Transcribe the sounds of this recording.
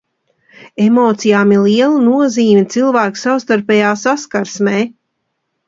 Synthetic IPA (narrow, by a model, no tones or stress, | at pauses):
emoːt̪sijaːmiɾliɛlˠanuɔziːmʲit̪silˠvæːku̥sawst̪aɾpɛjaːsaskaɾsmɛː